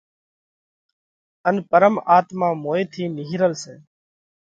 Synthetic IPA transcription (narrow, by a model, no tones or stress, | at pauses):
ənpəɾəmaːt̪mãːmoːeːt̪ʰiːnɪɦɾəlseː